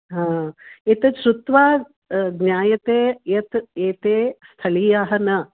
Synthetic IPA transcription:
ɦãːet̪ɐʃɾut̪ʋaː | ɡnʲjaːjɐt̪eːjɐt̪eːt̪eːst̪ʰɐlijaːɦɐnɐ

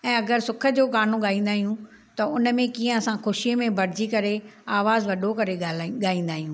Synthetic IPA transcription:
ɛ̃ːɐɡəɾsʊkʰə̆d͡ʑoːkaːnõɠaːĩːn̆d̪aːɦijũ | t̪ɐʊnmẽkiːə̃ɐsãxʊʃiemẽbɐɽ̤ɪd͡ʑikɐɾeaːʋaːzʋɐɖʱokɐɾealɠaːĩːn̆d̪aːɦijũː

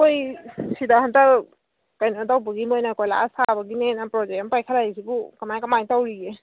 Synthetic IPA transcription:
kojsidaɦanta | kajnɔtawbɔɡimɔjnakɔjla̰sabaɡinenapɹɔzɛɔmpajkʰalaisibukamajkamajtawɹiɡɛ

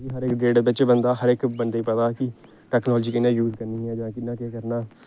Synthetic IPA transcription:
iɦəɾɪkɖeːɖbɪt͡ʃːbənd̪aːɦəɾɪkbənd̪eiːpət̪aːkɪ | ʈɛːknɔːld͡ʒiːkɪnãːjuːzkəɾniːɦɛ̃ːd͡ʒãːkɪnːãːkeːkəɾnaː

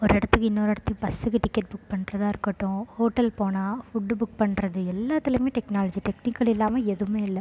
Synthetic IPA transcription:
ɔɾɪɽɐt̪ːɯkːɯɪnːoːɾɛɽɐt̪ːɯpɐsɯkːɯʈɪkːɐʈ̚bʊk̚pɐɳːrɐðaːɪɾɯkːɐʈːʊ̃hoːʈːɐlpoːnaːfʊɖːɯbʊk̚pɐɳɾɐðɯɛlːaːt̪ːɪlɐmeːʈɛknaːlɐd͡ʒiʈɛknɪkːɐɭɪlːaːmɐɛðɯmeːɪlːɐ

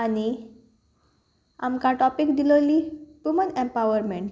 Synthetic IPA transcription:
ani | amkãʈɔpikd̪ilolipumənẽmpawəɾmeɳʈ

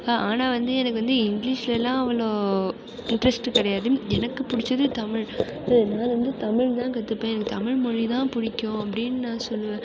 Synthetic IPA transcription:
aːʔaːnaːʋɐnd̪ɯɛnɐkːɯʋɐnd̪ɯɪŋɡɪliːʂlɛlːãːɐʋɐloː | ɪɳʈɾɐsʈkɪɽɐjaːðɯmɛnɐkːɯpʊɽɪt͡ʃːɐðɯt̪ɐmɪɻ | ɐðnaːlʋɐnd̪ɯt̪ɐmɪɻt̪ãːkɐt̪ːɯpːẽːɛnɐkːɯt̪ɐmɪɻmɔɻit̪ãːpʊɽɪkʲːõɐp̬ːɐɽɪnːɯnãːsɔlːɯʋẽː

